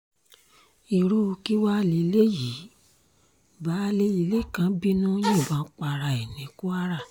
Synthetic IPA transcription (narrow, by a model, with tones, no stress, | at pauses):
i˧ɾu˦˧ki˦wa˦li˧˦le˦ji˨˦ | ba˨˦le˦ji˧˦le˦˨kã˨˦bi˦nũ˦jẽ˦˨bã˨˦k͡pa˧ɾa˧˨e˨nĩ˨˦ku˦a˦ɾa˦˨